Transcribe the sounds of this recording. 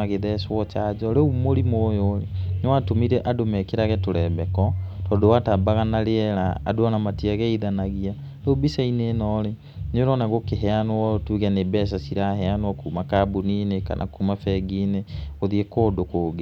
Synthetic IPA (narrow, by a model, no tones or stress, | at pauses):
aɣeðɛswɔt͡ʃad͡ʒɔɾeumoɾimoːjoɾenwatomiɾɛʔadomɛkeɾaɣɛtoɾɛbɛkɔtɔːdowatabaɣanaɾeɛɾaa̰doanamatiaɣɛiðanaɣia | ɾeubisaineːnɔɾe | noɾɔnaɣokeɦɛanwɔtuːɣɛnebɛs̬asiɾaɦɛanwɔkuːmakabunineka̰nʔa̰kuːmafɛɡineoðiekoːdokoɡe